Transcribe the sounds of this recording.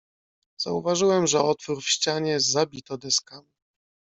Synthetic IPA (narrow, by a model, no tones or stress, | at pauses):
z̥a̰uvaʐɘwɛmʐɛɔt̪fuɾfɕt͡ɕaɲɛzabʲit̪ɔd̪ɛskam